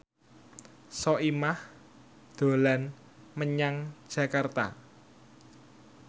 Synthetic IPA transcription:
sɔʔimah | d̪̥o̤lan | məɲaŋd̥ʒ̥a̤kart̪a̰

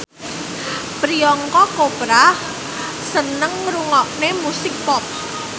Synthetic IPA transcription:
pɾiɔŋkɔkopɾa | sənəŋɾuŋɔʔnemusik̚pɔt̚

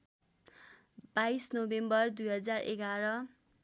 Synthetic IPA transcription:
b̥aisnobembʌrd̪ujɦʌd͡zarḛɡaɾʌ

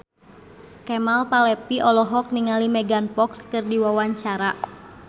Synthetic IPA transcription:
kɛmalpalɛpiʔɔlɔɦɔk̚niŋalimɛɡanpɔkskɨrdiwawaɲt͡ʃaɾa

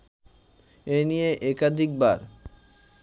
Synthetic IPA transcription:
enijeʔɛkad̪ʱik̚baɾ

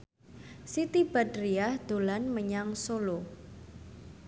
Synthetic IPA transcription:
sit̪ib̥ad̪riahd̪̥o̤lanməɲaŋsolo

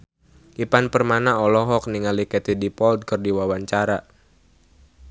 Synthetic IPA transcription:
ʔipanpərmanaɔlɔɦɔk̚niŋalikɛt̪idipɔld̪̚kərdiwawaɲt͡ʃaɾa

